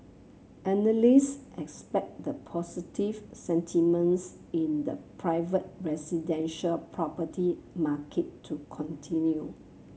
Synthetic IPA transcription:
ʔɛnəlisʔɛkspɛk̚dəpʰɔsitivsɛ̃ntʰimə̃ns | ĩndə̰pʰɹaɪvət̚ɹɛsidɛ̃nʃəlpʰɹɔpətʰimakʰetʰːukʰɔ̃ntʰĩnju

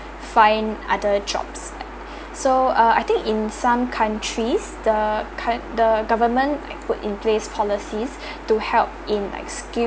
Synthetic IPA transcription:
fãɪ̃na̰dəd͡ʒɔ̰psa | soaa̰jt̪ɪ̃ŋkɪ̃nsãmkʰãntʰɹis | dəkʰadəɡavəmə̃nla̰k̚pʊtɪ̰̃npʰlespʰɔlisis | tuhɛlp̚ĩnla̰ɪkski

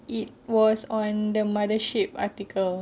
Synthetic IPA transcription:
ʔit̚wɔsɔ̃ndəmadəʃip̚a̰t̪ikʰəl

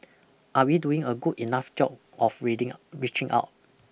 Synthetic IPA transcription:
ʔawiduĩŋəɡudinafd͡ʒɔp̚ | ʔɔfɹidɪ̃ŋɹit͡ʃɪ̃ŋʔa̰ʊt̚

